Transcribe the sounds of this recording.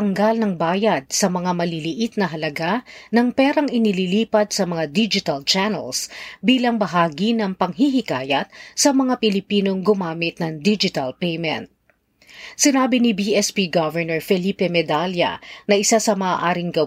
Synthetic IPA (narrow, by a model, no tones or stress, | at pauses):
ɐŋɡɐlnɐŋbaːjɐd̪̚sɐmɐŋamɐlilɪʔit̪̚nɐɦɐlɐɡanɐŋpɛːɾɐŋʔɪnililiːpɐd̪̚sɐmɐŋad̪id͡ʒɪt̪ɐlt͡ʃanɛ̰lsbiːlɐŋbɐɦaːɡinɐŋpɐŋɦiɦɪkaːjɐt̪̚sɐmɐŋapɪlɪpiːno̞ŋɡʊmaːmɪt̪̚nɐŋd̪id͡ʒɪt̪ɐlpejmɛ̰̃nt̪̚ | sɪnaːbinɪbiʔɛspiɡɐvɛɹnɛɹfɛliːpɛmɛd̪aljɐ̰nɐʔɪsasɐmɐːʔaːɾɪŋɡɐ